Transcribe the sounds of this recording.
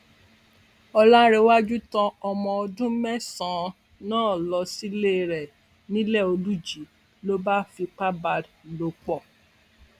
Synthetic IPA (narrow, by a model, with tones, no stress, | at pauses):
ɔ˧la˦ɾe˨˧˦wa˦d͡ʒu˦tã˧ɔ˧mɔ̃˧ɔ˧dũ˦mɛ˦sã˨˦ | nãː˦˨lɔ˧si˦le˦˨ɾɛ˨ | nĩ˦lɛ˦˨o˧lu˦d͡ʒi˨ | lo˦ba˦fi˧k͡pa˦ba˧lo˨˦k͡pɔ˦˨